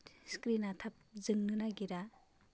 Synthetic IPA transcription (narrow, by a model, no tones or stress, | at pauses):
skɾinatʰap̚zɯŋnɯnaɡiɾa